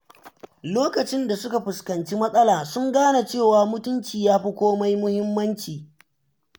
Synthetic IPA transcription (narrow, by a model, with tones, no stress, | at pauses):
loː˦kɐ˨t͡ʃɪ˦nda˨sʊ˦ka˨ɸʊ˨skɐ˨nt͡ʃi˦mɐ˦sʼɐ˦laː˨sʊ˦ŋɡaː˦na˨t͡ʃeː˦˨waː˨mʊ˦tʊ˦nt͡ʃiː˨jaː˦ɸi˦kʷoː˦ma˦jmʊ˦hɪ˦mːɐ˦nt͡ʃiː˨